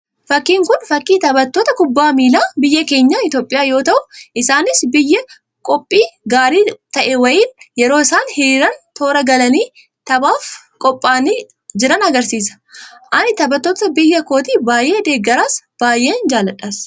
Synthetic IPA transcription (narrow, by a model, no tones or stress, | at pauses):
fɐkːiːŋkʊnfɐkːiːt̪ɐbɐt̪ːoːt̪ɐkʊbːaːmiːlaːbɪjːɐke̞ːɲːaːɪt̪jo̞ːpʼːɪjaːjo̞ːt̪ɐʔʊʔɪsaːnɪsbɪjːɐ | kʼɔpʼːiːɡaːɾiːt̪ɐʔɛwɐjiːnjɛɾo̞ːɪsaːnhɪɾiːɾɐnt̪o̞ːɾɐɡɐlɐniː | t̪ɐbaːfkʼɔpʼːaːni | d͡ʒɪɾɐnɐɡɐɾsiːs̬ɐ̥ʔɐnɪt̪ɐbɐt̪ːoːt̪ɐbɪjːɐko̞ːt̪iːbaːjʔe̞ːd̪e̞ːɡːɐɾaːsb̥aːjʔeːnd͡ʒaːlːɐᶑaːs